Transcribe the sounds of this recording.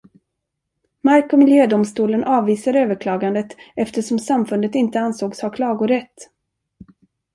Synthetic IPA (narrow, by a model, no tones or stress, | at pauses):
maɾkɔmɪljøːd̪ʊmst̪uːlənʔɑːvːiːsaɾøːvəɾkʰlɑːɡand̪ət̪ɛft̪əʂɔmsamfɵnd̪ət̪ɪnt̪əansoːɡshaɾkʰlɑːɡʊɾɛt̪ː